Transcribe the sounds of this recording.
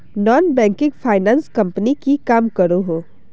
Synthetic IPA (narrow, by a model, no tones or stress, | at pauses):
nɔːnbɛ̃ːŋkɪ̃ŋɡfʰaːɪnãːnskɐ̃mpənikikaːmkɐɾoɦoː